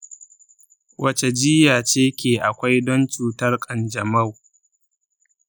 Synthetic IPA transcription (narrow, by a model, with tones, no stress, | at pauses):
wʔɐ˦t͡ʃe˨d͡ʒɪ˦jaː˨t͡ʃeː˦kʲeː˨ʔa˨kʷa˦jdɔ˦nt͡ʃuː˨tɐ˦rkʼɐ˨nd͡ʒɐ˨mɐ˦˨w